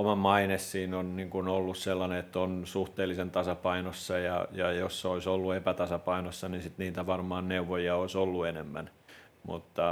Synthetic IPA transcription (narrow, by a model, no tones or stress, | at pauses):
omɑmɑinessiːnonniŋkunolːusselːɑneet̪ːonsuht̪eːlːisent̪ɑsɑpɑinosːɑjɑjɑjosːoisolːuepæt̪ɑsɑpɑinosːɑnisit̪niːt̪æʋɑrmɑːnneuʋojiɑoisolːuenemːæ̰n | mṵt̪ːɑ